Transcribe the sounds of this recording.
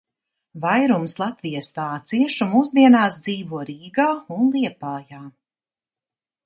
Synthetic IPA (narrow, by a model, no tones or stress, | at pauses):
vajɾumslˠat̪vijast̪aːt̪siɛʃumuzd̪iɛnaːsd̪ziːvuɔɾiːɡaːunlˠiɛpaːjaː